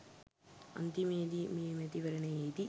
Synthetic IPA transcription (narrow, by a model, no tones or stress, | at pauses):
ɐ̰nd̪imeːd̪imeːmet̪iʋɐɾɐnɐejd̪i